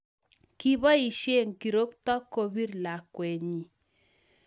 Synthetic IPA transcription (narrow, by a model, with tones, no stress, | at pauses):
ki˦βɔ˦i˨ʃe˦˨ŋki˨ɾo˦ktɔ˦ko˨bi˦ɾla˨kwɛ˨ɲi˨